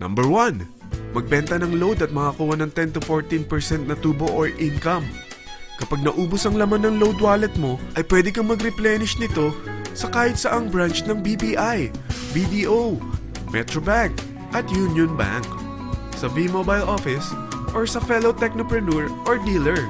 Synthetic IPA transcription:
nɐ̰mbɛɹwan | mɐɡ̚bɛnt̪ɐnɐŋlowd̪ɐt̪̚mɐkakuːwɐnɐŋt̪ɛnt̪ʊfoɹt̪inpɛɹsɛnt̪̚nɐt̪uːboʔoɹʔinkɐm | kɐpaɡ̚nɐʔuːbosɐŋlɐmanːɐŋlowd̪waːlɛt̪̚mo̞ʔɐjpwɛːd̪ɪkɐŋmɐɡɾɪplɛnɪʃnɪt̪o̞sɐkaːhɪt̪̚sɐʔɐŋbɹant͡ʃnɐŋbibiʔajbid̪iʔow | mɛt̪ɾobaŋk | ʔɐt̪junjonba̰ŋk | sɐvimobajlʔofɪs | ʔoɹsɐfɛlot̪ɛk̚nopɹɛnuɹʔoɹd̪ilɛɹ

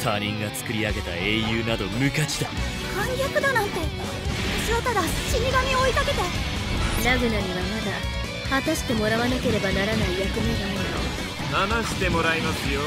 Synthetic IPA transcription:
t̪ʰaːɲʲĩŋɡat͡sɨ̥kɯ̟ɾʲiaɡe̞t̪a̰e̞ːjɯːnad̪o̞mɯ̟kat͡ɕi̥d̪a | kʰãŋɡʲakɯ̟d̪anãnt̪e̞ | ɯɕiɾot̪ad̪aɕiɲʲiɡamʲiooik̪ake̞t̪e | ɾaɡɯ̟naɲ̟iβamad̪a | hat̪aɕi̥t̪e̞mo̞ɾaβanake̞ɾe̞banaɾanaijakɯ̟miɡaɯjo̰ | nanaɕi̥t̪e̞mo̞ɾaimasɨjo

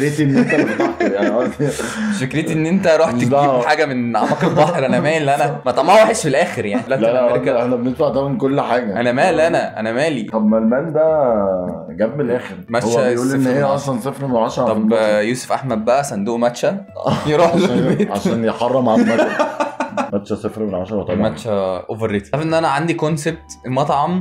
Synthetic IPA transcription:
ɾejt̪iʔenːʔent̪t̪ɑħt̪ejaʕniʕa | fekɾej̪iʔenːʔent̪æɾˤɑːħt̪eiːbħaːɡæmenʕamæːkeɾbɑːħeɾʔænæmæːʔelːiʔænæmæt̪ˤɑmnhowæħeʃfilʔæːxeɾjaʕnilætlæɾkːæeħnæbenet̪faʕt̪æmenkolːħaːɡæʔænæmæːlʔænæʔæ̰næmæːlit̪ˤɑbmælmænd̪æ | ɡæb̚menʔæːxeɾmæt̪owʃæʔuːlenːhejːæʕɑsˤlɑnsˤefɾmenʕɑʃɑɾˤɑbjuːso̥fʔaħmæd̪̚bæʔæsænd̪uːʔmæt̪ʃæ | jeɾˤɑzoelbeːt̪ʕaʃæːnjeħɑrˤːɑmʕalmæ | mæt̪ːʃæsˤefɾmenʕaʃɑɾˤɑt̪ˤɑmæt̪ʃæʔoveɾːet̪æfʔenːʔænæʕand̪ikonseb̚t̪mɑt̪ˤʕɑm

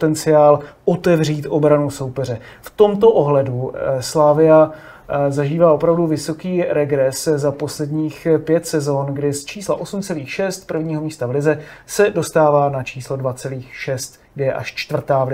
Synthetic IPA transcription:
t̪ɛnt͡sɪaːlot̪ɛvriːt̪ʔo̞bɾanuso̞wpɛr̝ɛ | ft̪o̞mt̪o̞ʔoɦlɛduslaːvɪja | zaʒiːvaːʔo̞pɾavduvɪso̞kiːɾɛɡɾɛszapo̞slɛdɲiːxpjɛt̪sɛzo̞nɡdɪst͡ʃiːslaʔo̞sumt͡sɛliːxʃɛst̪pr̩vɲiːɦo̞miːst̪avlɪzɛsɛdo̞st̪aːvaːnat͡ʃiːslo̞dvat͡sɛliːxʃɛst̪ɡdɪjɛʔa̰ʃt͡ʃt̪vr̩t̪aːvlɪ

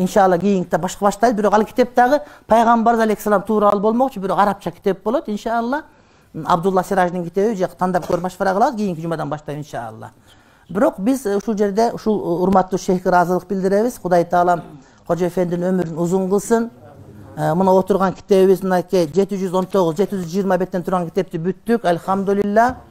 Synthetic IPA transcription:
inʃɑlˠːɑɡʲijiŋkʲi̥t̪ebɑʃqɑbɑʃt̪ɑjd̪bɪɾo̞qɑlˠkʰi̥t̪e̞p̚t̪ɑʁɯpʰɑjʁɑmbɑɾzɑleksɑlˠɑmt̪ʰuːɾɑlˠubo̞lˠmo̞qt͡ʃubɪɾo̞qɑɾɑp̚t͡ʃʰɑkʲi̥t̪e̞p̚bolˠot̪inʃɑːlˠːɑ | ɑ̰bd̪ulˠːɑsiɾɑʒd̪ɯŋkʰi̥t̪e̞βid͡ʒɑqt̪ʰɑnd̪ɑp̚køɾyp̚bɑʃqɑɾɑqʰlˠɑβd̪ɡijiŋkʲid͡ʒumɑd̪ɑnbɑʃt̪ɑjinʃɑ̰lˠːɑ̰ | biɾo̞qbizuʃulˠd͡ʒe̞ɾd̪e̞ʔuʃulˠuɾmɑt̪ːuːʃejkiɾɑzɯlˠəq̚bild̪ɪɾe̞βiz̥qʰʊd̪ɑjt̪ʰɑːlˠɑm | qʰod͡ʒefend̪ɪnømyɾynuzuɴʁɯlˠsɯn | munɑo̞t̪uɾʁɑŋkʲʰi̥t̪e̞βiβizmnɑkid͡ʒe̞t̪id͡ʒyzo̞nt̪ʰo̞ʁuzd͡ʒe̞t̪id͡ʒyzd͡ʒijəɾmɑbe̞t̪ːent̪ʰuɾʁɑŋkʰi̥t̪e̞p̚t̪ibyt̪ːykɑlʲhɑmd̪ulilːɑ

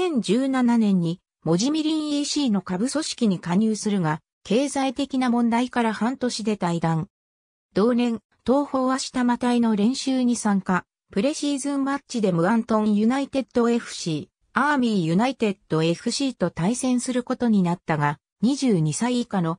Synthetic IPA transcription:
sẽ̞ɲ̟d͡ʑɨːnananẽ̞ɲ̟ːi | mo̞ʑimʲiɾʲĩɰ̃iːɕiːno̞kabɯ̟so̞ɕi̥kʲiɲ̟ikaɲ̟ɯːsɨɾɯ̟ɡa | kʰe̞ːzait̪e̞kʲinamõ̞nd̪aikaɾahãnt̪o̞ɕid̪e̞t̪aid̪ãŋ | d̪̥o̞ːnẽ̞n | t̪o̞ːho̞ːβaɕi̥t̪amat̪aino̞ɾẽ̞ɰ̃ɕɨːɲ̟isãŋka | pɯ̟ɾe̞ɕiːzɨ̃mmat͡ɕid̪e̞mo̟ãnt̪õ̞jɯ̟nait̪e̞d̪̥o̞e̞ɸɯ̟̥ɕiː | amʲijɯ̟nait̪e̞d̪̥o̞e̞ɸɯ̟ɕiːt̪o̞t̪aisẽ̞ɰ̃sɨɾɯ̟ko̞t̪o̞ɲ̟inat̪ːaɡa | ɲ̟iʑɨːɲ̟isaiikano̞

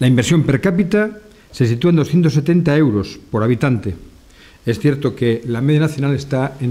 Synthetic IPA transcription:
laimbe̞ɾsjo̞mpe̞ɾkapit̪a | se̞sit̪uaend̪oθjent̪ose̞t̪e̞nt̪ae̞wɾo̞spo̞ɾaβ̞it̪ant̪e̞ | e̞sθje̞ɾt̪o̞kelameð̞janaθjo̞nale̞st̪ae

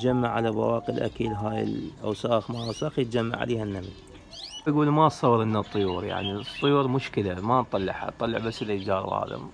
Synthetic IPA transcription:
d͡ʒamːaʕalaba̰wɑːqilʔa̰kiːlɦaːjɪ̰lʔa̰wsaːxmaːɾˤɑsɑxjət̪̚d͡ʒamːa̰ʕa̰leːhanːaml | ɡuːlmasˤɑwːɾˤʔɪnːat̪ˤːɨjuːɾja̰ʕnit̪ˤːʊjuːɾmʊʃkɪlamant̪ˤɑlːɪ̰ʕha̰t̪ˤɑlːə̰ʕbasːɪlad͡ʒɑːɾˤɣɑ̰ːlɪ̰m

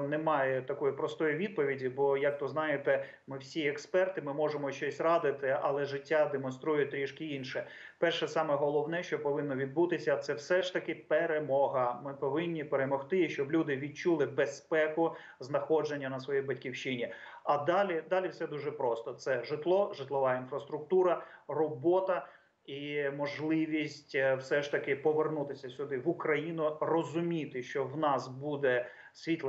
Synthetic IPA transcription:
nɛmɑjɛt̪ɐkɔjipɾɔst̪ɔjiʋʲid̪̚pɔʋʲidʲibɔjɐk̚t̪ɔznɑjet̪ɛ | mɪwsʲiɛkspɛrt̪ɪmɪmɔʒemɔʃt͡ʃɔsʲrɑd̪ɪt̪ɪɐ̰lˠɛʒɪtʲːad̪emɔnst̪ɾujʊt̪ɾʲiʃkɪinʃɛ | pɛrʃɛsɑmɛɦɔlˠɔwnɛʃt͡ʃɔpɔʋɪnːɔʋʲid̪̚but̪ɪsʲɐt̪sɛwsɛʂt̪ɐkɪpeɾemɔɦɐmɪpɔʋɪnʲːipeɾemɔxt̪ɪʃt͡ʃɔblʲud̪ɪʋʲid̚t͡ʃulˠɪbespɛkʊ | znɐxɔd͡ʒenʲːɐnɐsʋɔjijbɐtʲkʲiwt͡ʃɪnʲi | ɐd̪ɑlʲid̪ɑlʲiwsɛd̪uʒɛpɾɔst̪ɔt̪sɛʒɪt̪lˠɔʒɪt̪lˠɔʋɑinfɾɐst̪ɾʊk̚t̪uɾɐrɔbɔt̪ɐ | imɔʒlˠɪʋʲisʲtʲwsɛʃt̪ɐkɪpɔʋernut̪ɪsʲɐsʲʊd̪ɪʋʊkɾɐjinʊrɔzʊmʲit̪ɪʃt͡ʃɔwnɑsbud̪ɛ | sʲʋʲit̪lˠ

